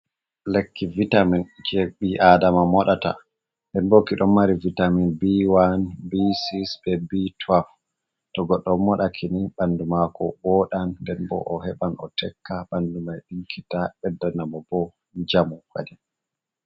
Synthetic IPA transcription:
lekːivitamind͡ʒeɓiʔadamamɔɗata̰ | ndɛnbokiɗɔmmaɾivitaminbiwanbisisbɛbitʰwaf | tɔɡɔɗːɔmːɔɗakʰiniɓandumakɔbɔɗandɛnbɔ̰ʔɔhɛɓanɔ̰tʰɛkʰːaɓandumajɗiŋkʰitaɓɛdanamɔbɔ | d͡ʒamuka̰dɛ

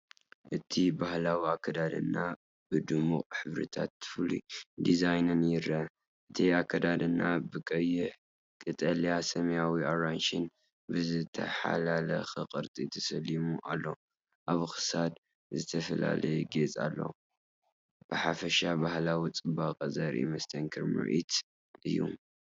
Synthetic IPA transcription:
ʔɨt̪ʰibahlawiakʰːɐd̪ad̪ɨ̰nːa | bɨd̪ɨmuχʼħɨβɾɨ̰t̪ʰa̰t̪fɨlḭd̪izajnɨnjɪɾɐ | ʔɨt̪ʰiakʰːɐd̪ad̪ɨnːabɨkʼɐjːɪħ | kʼɨt̪ʼɐlijasɐmɐjawioɾanʃin | bɨzɨt̪ʰɐ̰ħa̰lalɐ̰xɨqʼɨɾt̪ʼit̪ʰɐsɐlimuʔalːo̞ | ʔaβxɨ̥sad̪ | zɨt̪ʰɐfɐla̰lɐjɡet͡sʼa̰lːo̞̰ | b̥ɨħafɐʃabahlawit͡sʼɨbaqʼɐzɐɾʔḭmɐst̪ʰɐŋkʰɨɾmɨ̰ʕḭt̪ | ʔɨjːṵ

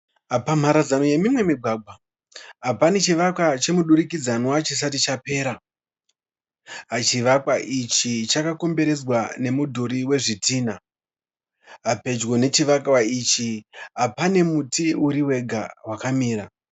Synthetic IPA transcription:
apam̤aɾazanoje̞mimwe̞miɡʱwaːɡʱwa | ɦapane̞t͡ʃiʋakwat͡ʃe̞muɗuɾikid͡zanwat͡ʃis̬at̬it͡ʃape̞ːɾa | ɦat͡ʃiʋakwaʔit͡ʃit͡ʃakako̞mbe̞ɾe̞zwane̞mudʱoɾiwe̞ʐitiːna | ɦape̞d͡ʒwo̞ne̞t͡ʃiʋakwait͡ʃiɦapane̞mutiuɾiwe̞ɡʱa̰wakamiːɾa

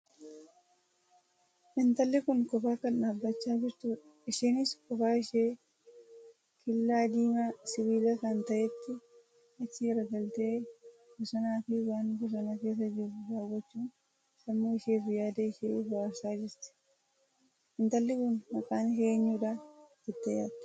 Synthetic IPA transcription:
ʔɪnt̪ɐlːɪkʊnkɔfaːkɐnᶑaːbːɐt͡ʃːaːd͡ʒɪɾt̪uːᶑɐɪʃiːnɪskɔfaːɪʃeː | kʰɪlːaːd̪iːmasɪwiːlɐsaːnt̪ɐʔɛt̪ːɪ | ɪt̪ːɪɾɐɡɐlt̪eːɡɔsɐnaːfɪwaːnɡɔs̬ɐnake̞ːs̬ːɐd͡ʒɪrːʊɾaːwɐt͡ʃːuːn | sɐmːoːɪʃeːfɪjaːd̪eɪʃeːbʊaːsaːd͡ʒɪɾt̪ɪ̥ | ʔɪnt̪ɐlːɪkʊnːɐkaːnheːɲːuːᶑaːd̪ɪt̪ːɛja̰ːd̪

